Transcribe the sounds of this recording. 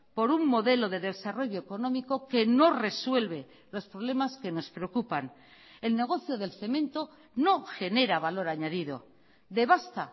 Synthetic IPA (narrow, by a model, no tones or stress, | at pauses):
po̞ɾuŋmo̞ðe̞lo̞ðe̞ðe̞saro̞ʝo̞eko̞nõ̞miko̞ke̞no̞re̞swe̞lβe̞ | lo̞spɾoβle̞maske̞no̞spɾe̞okupan | e̞lne̞ɣ̞o̞θjo̞ðe̞lθe̞mẽ̞nt̪o̞ | no̞xe̞ne̞ɾaβalo̞ɾaɲaðiðo̞̰ | d̪e̞βast̪a